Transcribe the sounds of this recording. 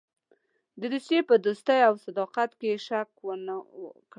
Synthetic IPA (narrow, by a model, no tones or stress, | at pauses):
d̪əd̪usjepəd̪ost̪əjawsad̪ɑqat̪keʃakwənk